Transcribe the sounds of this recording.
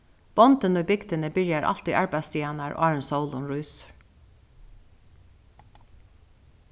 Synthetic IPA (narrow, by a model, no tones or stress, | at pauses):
b̥ɔnd̪ənoːbɪɡd̪ənəbɪɾjæɾʔɑ̰lt̪iʔɑɹbæɪst̪ʰjeːnæɹʔo̰ːɑɹənsoʊlɔnɹuːs